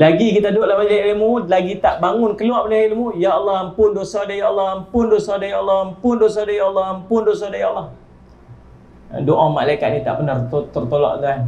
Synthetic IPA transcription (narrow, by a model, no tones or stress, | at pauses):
laɡikit̪adoʔlahbad͡ʒaʔʔilmulaɡit̪aʔbaŋʊnkəluapalahilmujaɑlˠːɔhampʊndosadajaʔɑlˠːɔhampʊndosɔdajaɑlːɔmpʊndosɔdajaɑlːɔhampʊndosɔdajaɑlːɔh | doʔamalajkat̪̚nit̪a̰ʔbənərt̪ot̪ərt̪olɔ̰ʔt̪an